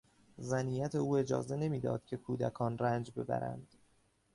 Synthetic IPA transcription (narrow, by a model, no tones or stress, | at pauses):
zæniːjæt̪ʰe̞uːe̞d͡ʒɒ̰ːze̞ne̞miːd̪ɒ̰ːd̪̥̚cʰe̞kʰuːd̪ækʰɒːnræːnd͡ʒbe̞bæ̰ɾæ̰nd̪̥